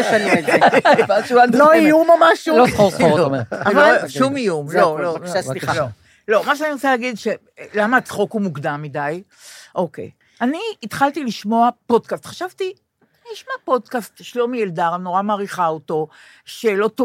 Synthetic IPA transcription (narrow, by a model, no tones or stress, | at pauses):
n | aanoijumamaʃulokooeavaʃumijumlo̞loosialo | lo̞maʃ̬ɛaniʁot͡salaːɡidʃe | lamat͡sχokumukdamːidaj | ʔo̞kḛj | aniːt̪χaltiliʃmo̞apo̞dkast̪χaʃavti | iʃmapo̞dkastʃlomieldaʁnoʁamaːʁiχaoto̞ | ʃelo̞to